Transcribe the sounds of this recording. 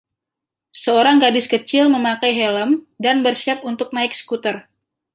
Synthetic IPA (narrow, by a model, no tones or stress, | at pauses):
səoɾaŋɡadɪskət͡ʃɪlməmakajɦɛləm | danbərʃap̚unt̪ʊk̚naɪk̚sə̥kut̪ər